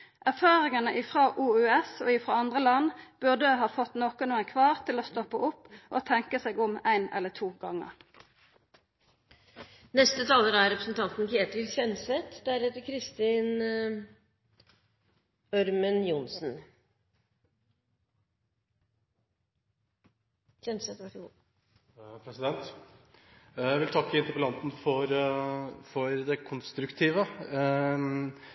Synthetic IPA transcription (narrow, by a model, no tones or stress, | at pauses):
ʔæʁfɑːʁɪŋɑnəʔɪfʁɑːʔuːʉːɛso̰ːɪfʁɑːɑnd̪ʁəlɑnb̥ʉʁd̪əɦɑːfɔt̪noːkɔnuːənkʰʋɑːʁt̪ʰɪloːst̪ɔpːəʔʊpːʔoːt̪ʰɛŋkəseːɡʊmæɪnɛ̰lːət̪ʰuːɡɑŋə̰ʁ | nɛst̪ət̪ʰɑːləɾæɾɛpɾəsn̩t̪ʰɑnt̪n̩kʰeːt̪ɪlçɛnsɛt̪d̪æɾheːt̪əɾkʰɾɪst̪ɪn | œɾmənjʊnsn | çɛnsɛt̪ʋæʂɡu | pʰɾɛsɪd̪ɛnt̪ | æɪʋɪlt̪ʰɑkːəɪnt̪əɾpəlɑnt̪n̩fɔɾ | fɔɾd̪ɛkʰʊnst̪ɾʉkt̪ʰiːʋə